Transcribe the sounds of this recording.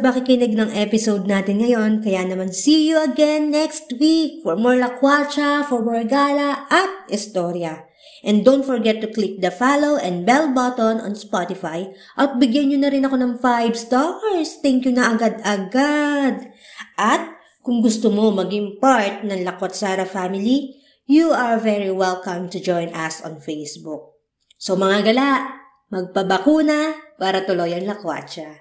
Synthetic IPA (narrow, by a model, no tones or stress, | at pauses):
pɐkɪkɪnɪɡ̚nɐŋʔɛpɪsowd̪̚naːt̪ɪnŋɐjo̞nkɐjanɐmansiːjuʔɐɡɛnːɛkst̪wik̚fɔɹmoɹlɐkwat͡ʃɐfɔɹmoɹɡaːlɐʔɐt̪̚ʔɪst̪oːɾjɐ | ʔɛ̃nd̪ownt̪̚fɔɹɡɛt̪ːʊklik̚d̪ɐfalowʔɛ̃nd̪̚bɛlbat̪onɐ̰nspat̪ɪfaj | ʔɐt̪̚bɪɡjanɲʊnɐɾɪnɐko̞nɐŋfajbst̪oɹst̪ɛŋkjʊnɐʔɐɡad̪ɐɡad̪̚ʔɐt̪̚ | kʊŋɡʊst̪omomɐɡiŋpaɹt̪̚nɐŋlɐkot̪̚saːɾɐfamɪli | juɐɹvɛɹiwɛlkɐmt̪ʊd͡ʒɔjnʔɐsɔ̰̃nfejsbuk̚ | somɐŋaɡɐlaʔ | mɐɡ̚pɐbɐkuːnɐpaːɾɐt̪ʊlojɐŋlɐkwa̰t̪t͡ʃa